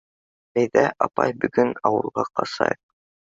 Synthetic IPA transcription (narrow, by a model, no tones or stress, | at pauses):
æjðæʔɑpɑjbɵ̆ɡɵnɑwɤ̆lˠʁɑqɑsɑ̰j